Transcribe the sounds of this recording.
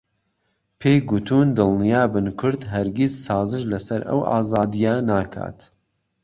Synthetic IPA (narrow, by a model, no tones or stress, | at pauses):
pʰeːjɡut̪ʰuːnd̪ɨlˠnijaːbɨnkʰʊɾd̪ɦɐɾɡʲizsaːzɨʃlɐsɐɾɐ̰wʔa̰ːzaːd̪ijaːnaːkʰa̰ːt̪